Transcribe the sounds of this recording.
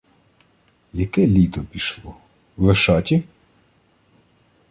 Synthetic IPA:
jɐkɛlʲit̪ɔpʲiʃlˠɔ | ʋeʃɑtʲi

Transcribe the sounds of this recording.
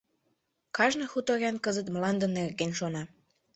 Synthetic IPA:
kɑʒnɤxut̪oɾʲɑnkəzət̪mlɑnd̪ənerɣenʃonɑ

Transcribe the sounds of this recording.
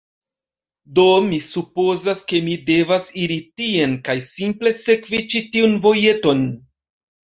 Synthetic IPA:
do̞misupo̞zaske̞mide̞vasiɾitie̞nkajsimple̞se̞kvit͡ʃitiunvo̞je̞to̞n

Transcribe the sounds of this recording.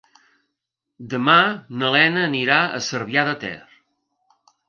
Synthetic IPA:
d̪əmanəlɛnəːniɾaə̰səɾβjaðət̪ɛ̰r

